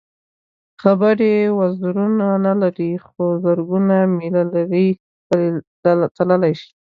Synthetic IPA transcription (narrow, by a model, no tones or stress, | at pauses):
xabəɾewazɾunanalaɾixozəɾɡunamilalaɾi | t̪aləlajʃi̥